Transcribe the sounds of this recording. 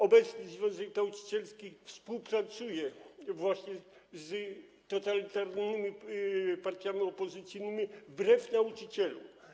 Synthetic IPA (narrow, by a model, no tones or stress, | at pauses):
ɔbɛt̪snɘzvʲjɔ̃w̃zɛknaut͡ʂi̥t͡ɕɛlskʲixfspuwpɾat̪sujɛvwaɕɲɛz | t̪ɔt̪alʲit̪aɾnɘmʲipaɾt̪ʲjamʲiɔpɔzɨt̪sɘjnɘmʲibɾɛfnaut͡ʂɘt͡ɕɛlṵ